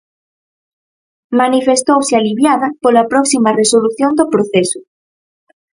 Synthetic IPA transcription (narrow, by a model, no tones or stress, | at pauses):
manifest̪owsɪaliβjaðɐpolapɾɔksimaresoluθjond̪opɾoθeso